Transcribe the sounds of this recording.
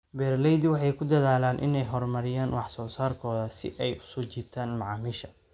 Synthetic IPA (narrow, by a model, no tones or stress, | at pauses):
bɛːrlɛjd̪wɑħɑjkʰʊd̪ɐðaːlaːnʔɪ̰nɛjɦɔrmɐɾɪjaːnwɑħsɔːsaːrkʰɔːðɐsɪ̰ʔɛjʊ̥sɔːt͡ʃiːt̪ʰaːnmɑʕɑːmiʃɐ̥